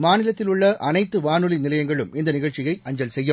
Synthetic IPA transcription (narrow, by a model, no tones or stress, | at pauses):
maːnilɐt̪ːiluɭːɐʔɐnɐjt̪ːɨʋaːnulinilɐjɐŋɡɐɭume̞nd̪ɨniɣɐɭt͡ɕiɣɐjɐɲd͡ʑɐlsejːɐm